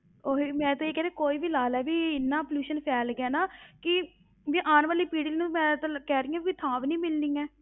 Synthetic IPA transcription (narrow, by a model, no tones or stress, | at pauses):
oːɦiːmɛ̃ːt̪õːeːkɛːɾẽːkoːiːʋiːlaːlɛːbiːɪnːãːpljuːʃənpʰɛːlɡɛːnaːkɪ | biːʔaːnʋaːliːpiːɽiliːnũmɛ̃ːt̪ãkɛːɾɪːjãːiʋiːt̪ʰãːʋnĩːmɪlnĩːɛː